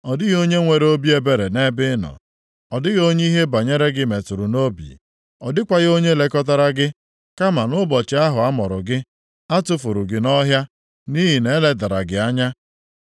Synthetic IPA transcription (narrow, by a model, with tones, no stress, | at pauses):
ɔ˨dɪ˦ɣo˦ɲe˦ŋʷe˨ɾo˦bi˦e˦be˨ɾe˨ne˦bɪ˦nɔ̰˨ | ɔ˨dɪ˦ɣo˦ɲe˦i˦ɦe˦ba˨ɲe˦ɾe˦ɡɪ˦me˨tʊ˨ɾʊ˨no˦bḭ˨ | ɔ˨dɪ˦kʷa˨ɣo˦ɲe˦le˦kɔ˦t̬a˦ɾa˦ɡɪ˦ | ka˦ma˨nʊ˦bɔ˨t͡ʃɪ˦a˦ɦʊ˨a˦mɔ˨ɾʊ̰˨ɡɪ˦ | a˦tʊ˦fʊ˨ɾʊ˨ɡɪ˨nɔ˦ɦja˦ | ni˦ɦi˨ne˦le˦da˨ɾa̰˨ɡɪ˨a˦ɲa˦